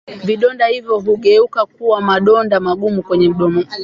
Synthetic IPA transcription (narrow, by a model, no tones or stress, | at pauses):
viɗɔndahivjɔɦuɠɛukak̚uwamaɗɔndamaɠumukwɛɲɛm̩ɗɔmɔ